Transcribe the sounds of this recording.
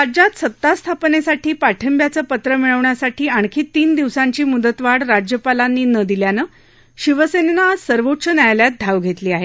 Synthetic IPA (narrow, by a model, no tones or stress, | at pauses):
ad͡ʑat̪sət̪ːast̪ʰapnesaʈʰiːpaʈʰəmbjat͡səːpət̪ɾəmiɭəʋɳjasaʈʰiːaɳ̃kʰiːt̪ːiːnd̪iʋsaɲt͡ɕiːmud̪ət̪ʋaɽɾad͡ʑjəpalanːiːnəd̪iljanə | ɕiʋəsenenaːd͡zsəɾʋotɕənajljat̪̚d̪ʱaʋɡʱet̪liːaɦe